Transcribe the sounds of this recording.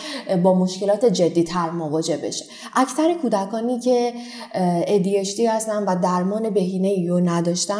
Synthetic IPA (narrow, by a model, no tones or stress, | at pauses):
bɒːmo̞ʃce̞lɒːt̪ʰed͡ʒe̞d̪ːiːt̪ʰæɾmovɒːd͡ʒe̞be̞̰ʃe | ʔæcsæɾekʰuːd̪ækʰɒːniːcʰe̞ | ed̪ijeʃt̪iːhæst̪ænvæd̪æɾmɒːne̞be̞ɦiːneijonæd̪ɒːʃt̪æ